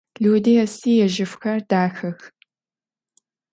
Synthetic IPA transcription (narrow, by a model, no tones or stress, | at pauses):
ɮuwdɐɛsiːjɛʒɪfxɐrdaːxɐx